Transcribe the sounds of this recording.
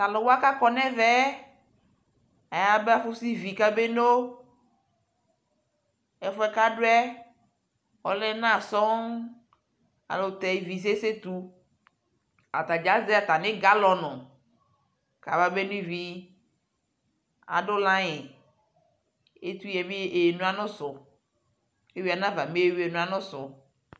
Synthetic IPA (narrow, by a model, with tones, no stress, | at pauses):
t̪a˨lɔ̃˨wo˦a˦ka˦kɔ˨nɛ̃˦vɛ˦ | a˨ja˦be˦a˦fo˦si˦vi˨ka˦be˦no˦ | ɛ˨fɔ˦ɛ˦ka˦ɖo˦ɛ˦ | wɔ˦lɛ˦nã˦˨sɔ˦ŋ | a̰˨lo˨t̪ɛ˨vi˨s̬e˦se˦t̪u˦ | a˨t̪a˨d͡ʒa˦ze˦a˨t̪a˨nɪ̃˦ɡa˦lɔ˨nɔ̃˨ | ka˨va˨˦be˦nĩ˦vi˦ | a̰˨ɖo˦lã˦ɲɛ˨ | e˦t̪u˦jɛ˨mĩ˦e˨nũ˦a˨nɔ̃˦sʊ˨ | e˦wi˦a˨nã˦va˨mẽ˦e˦wi˦e˨nũ˦a˨nɔ̃˦sʊ˨